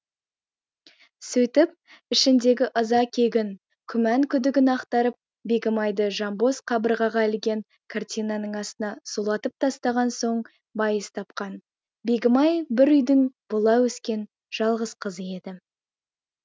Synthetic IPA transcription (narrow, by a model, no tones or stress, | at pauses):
sɵjt̪ɪp̚ | ɪʃɪnd̪e̞ɡʲɪʔəzɑkʲʰe̞ɡʲɪn | kʲʰʏmæŋkʲʰʏd̪ɪɡʲɪnɑqt̪ɑɾəp̚ | be̞ɡʲɪmɑjd̪əʒɑmbo̞sqʰɑbəɾʁɑʁɑɪlɡʲe̞ŋ | kʰart̪ʲijnɑnəɴɑst̪ənɑsulˠɑt̪əp̚t̪ʰɑst̪ɑʁɑnso̞ɴ | bɑjəst̪ʰɑp̚qɑn | be̞ɡʲɪmɑjbɪɾʏjd̪ɪŋbʊlˠɑwɵskʲe̞n | ʒ̥ɑlˠʁəz̥qʰəzəje̞d̪ɪ